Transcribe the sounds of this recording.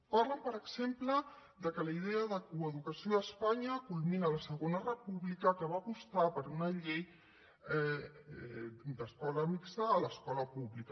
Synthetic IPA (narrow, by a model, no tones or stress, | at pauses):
paɾləmpəɾəkzemplə | d̪əkələið̞eəðəkuəðukəsioəspaɲəkulminələsəɣonərəpuβlikəkəβaːpust̪apəɾunɐʎej | d̪əskɔləmiksaːləskɔləpuβlikə